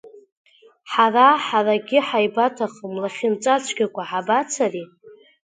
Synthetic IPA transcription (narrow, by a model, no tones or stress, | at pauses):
ħaraħaraɡʲɪħajbatʰaχəmlaχʲɪnt͡sʷʼat͡ʃʷʰɡʲakʷʰaħabat͡sʰari